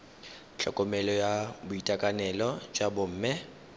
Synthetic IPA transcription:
ɬʰɔ̰kʼɔmɛlɔjabʊitʼakʼanɛlɔt͡ʃʼabʊm̩ːmɪ

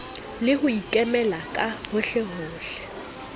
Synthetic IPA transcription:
lɪhʊikʼɛmɛlakʼahʊɬɛhʊːɬɛ̥

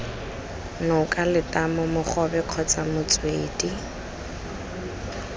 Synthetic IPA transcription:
nʊkʼalɪtʼamʊmʊχɔbɛq͡χʰɔt͡samʊt͡sʼweːdi

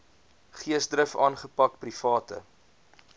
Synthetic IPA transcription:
χiəsdɾəfɑːnχəpɐk̚prifɑːtə̰

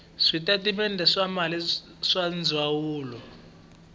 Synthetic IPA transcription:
ʂitʼatʼiɓɛndʱɛʂamali | ʂand͡zʱwawuːlɔ

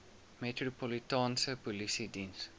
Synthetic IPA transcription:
mɛtɹopɔlitãːnsəpɔlisidĩns

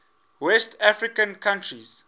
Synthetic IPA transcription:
wɛstʰafɹikãnkʰãntɹiz̥

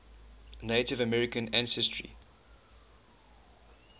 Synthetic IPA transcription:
netɪvəmɛɹɪkə̃næ̃nsɛstʰɹḭ

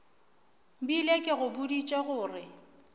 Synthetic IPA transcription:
bilekʼɪɣʊbʊdit͡ʃʼeɣʊːrɪ

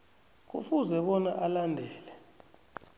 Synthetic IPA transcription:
k̬ṵfuzɛɓɔnaʔalandʱɛːlɛ

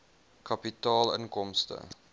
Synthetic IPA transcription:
kɐpitɑːlə̰ŋkɔmstə̰

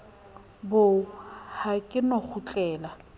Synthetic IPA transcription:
bʊhakʼɪnɔk͡xʰʊt͡ɬʼɛːla

